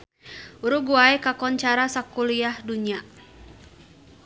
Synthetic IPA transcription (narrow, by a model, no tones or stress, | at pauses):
uɾuɡuaɛkakɔɲt͡ʃaɾasakuliahduɲia